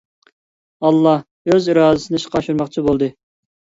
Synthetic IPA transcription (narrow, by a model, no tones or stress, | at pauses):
ɑlˠːɑh | øzɨɾɑːd̪ɨsɨnɨʃə̥qʰɑʃuɾmɑqt͡ʃʰibolˠd̪ɨ